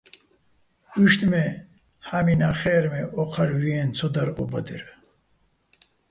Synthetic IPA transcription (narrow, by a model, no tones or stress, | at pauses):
uʂt̪me | haminaχeːɾmeʔoqʰɐɾwient͡sʰod̪ɐɾo̰bɐd̪iɾ